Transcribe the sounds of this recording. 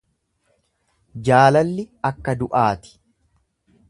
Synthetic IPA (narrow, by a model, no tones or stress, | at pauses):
d͡ʒaːlɐlːɪɐkːɐd̪ʊʔaːt̪ɪ̥